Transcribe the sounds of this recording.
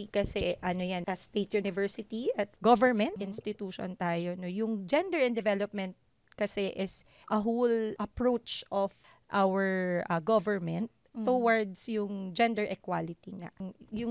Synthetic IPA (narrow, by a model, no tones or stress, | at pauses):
ikɐsɛʔɐnojanʔɐst̪et̪̚junɪvɛɹsɪt̪iʔɐt̪̚ɡovɛɹmɛnt̪ʔɪnst̪ɪt̪uːʃo̰nt̪aːjonojʊŋd͡ʒɛnd̪ɛɹɛ̃nd̪ɛvɛlop̚mɛnt̪̚ | kɐsɛʔɛs | ʔɐɦolʔɐpɹowt͡ʃʔɔf | ʔawɛɹʔɐɡovɛɹmɛnt̪̚ː | ʊwaɹd̪sjʊŋd͡ʒɛnd̪ɛɹʔɛkwalɪt̪iŋa̰jʊŋ